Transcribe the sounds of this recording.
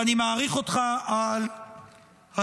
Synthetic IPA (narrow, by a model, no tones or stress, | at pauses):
animaːʁiχo̞t̪χaal | a